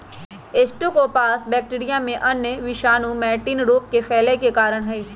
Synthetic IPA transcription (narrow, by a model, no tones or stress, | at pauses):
eːsʈũkopaːsbɛːk̚ʈiːɾijãmẽʔɐnjəʋɪʃaːnumɛːʈiːnɖoːp̚kefʰɛːlekekaːɾəɽ̃ɦɛː